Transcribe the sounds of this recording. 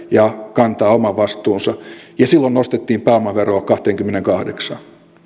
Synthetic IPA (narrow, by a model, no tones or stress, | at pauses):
jɑkɑnt̪ɑːomɑʋɑst̪ˑuːnsɑjɑsilːonnost̪et̪ːiːmpæomɑʋerokɑht̪eːŋkymːeneŋkɑhdeksɑn